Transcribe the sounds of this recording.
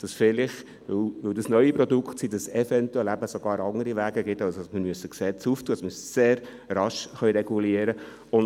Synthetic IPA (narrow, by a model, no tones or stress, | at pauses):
d̥ɑsfɪlɪχ | ʋɵwʋɵwd̪ɑsnœʏipɾɔd̪ʊkχtsid̥̪ɑsɛfɛnt̪uɛlæbəsoɡ̥ɑːɾɑŋəɾivæːɡəɡɪt̪ɑsosmɪɾmyəsːəksɛt͡suftʰuədɑsmysseːɾ | rɑʃχœɥɾɛɡ̥uliəɾə | ʊn